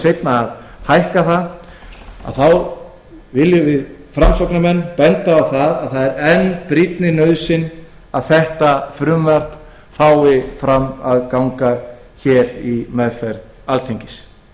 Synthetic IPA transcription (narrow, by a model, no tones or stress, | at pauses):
sejt̪naːð | hajhkaθað | a̰ðθaw | vɪljʏvɪðfɾamsɔknamɛnːpɛnt̪aːwθaðaðθaðɛɾɛnːpɾɪt̪nɪnœɥðsɪn | aðθɛht̪afɾʏmvaɾ̥t̪ | faːwɪfɾama̰ðkawŋka | çɛːɾimɛðfɛɾð | alθʰeɲcɪs